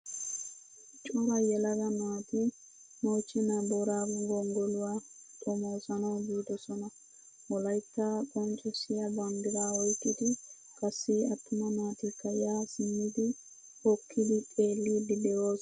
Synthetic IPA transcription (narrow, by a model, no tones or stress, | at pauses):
t͡ʃʼɔɾajɛlɐɡɐnaːt̪i | nɔt͡ʃːinabɔɾaɡɡɔŋɡɔlʊwa | tʼɔmoːsanɔd͡ʒuːd̪ɔsɔnɔ | ɔlɐjtːakʼɔnt͡ʃʼɔsɪjabaŋɡɪɾaɔjkɪt̪i | kɐsːiɐt̪ːʊmɐnaːt̪ikːajaːsɪnːid̪i | hɔkʰːid̪itʼeːlːididɛwoːs